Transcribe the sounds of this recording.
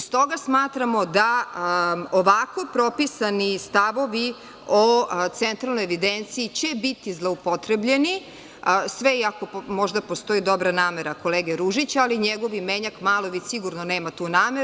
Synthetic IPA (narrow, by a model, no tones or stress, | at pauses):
st̪o̞ɡasmaːt̪ɾamo̞d̪a | oʋako̞pɾo̞pisanist̪aʋo̞ʋi | ot̪sent̪ɾalnojeʋid̪ent̪siːt͡ɕebit̪izlˠoupo̞t̪ɾebʎe̞ni | sʋeiakopmo̞ʒd̪apo̞st̪o̞id̪o̞bɾanaːmeɾako̞leːɡeɾuʒit͡ɕaliɲeɡo̞ʋimeɲakmaːlˠoʋisiɡuɾnoneːmat̪uːnaːme